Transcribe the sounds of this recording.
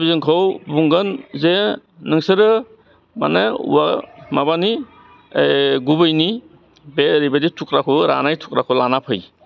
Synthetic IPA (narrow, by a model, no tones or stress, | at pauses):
bizɯŋkʰawbuŋɡɯnze | nɯŋsɯɾɯ | ma̰neṵwamabani | ɡubɯjni | beɾibeditʰukɾakʰuɾa̰najtʰu̥k̚ɾakʰɔlanapʰɯj